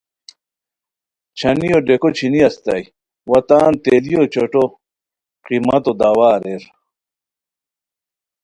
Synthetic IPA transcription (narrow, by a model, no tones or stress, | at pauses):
t͡ɕʰɐnijoɖekot͡ɕʰiniɐst̪ɐ̰j | wɐt̪aːnt̪elijot͡ɕoʈo | qimɐt̪od̪awaːɾeɾ